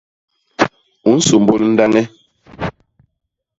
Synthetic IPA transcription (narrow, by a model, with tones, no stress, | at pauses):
u˨˦n̩˦su˨m˨bo˦ln̩˦da˦ŋɛ˦